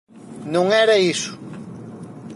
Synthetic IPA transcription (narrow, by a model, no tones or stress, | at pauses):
nõŋɛɾɐisʊ̥